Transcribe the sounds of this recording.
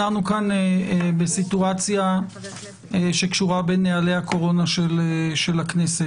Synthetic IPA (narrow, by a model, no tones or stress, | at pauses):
anukaneebesituat͡sja | eʃe̞kʃuʁabenealejhakʰo̞ʁo̞naʃeleʃe̞laknese